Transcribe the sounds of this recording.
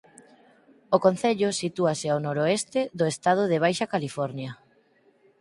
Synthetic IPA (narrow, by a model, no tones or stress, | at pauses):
okon̟θeʎʊsit̪uaseawnoɾoest̪ɪðʊest̪að̞ʊðeβ̞ajʃakalifɔɾnjɐ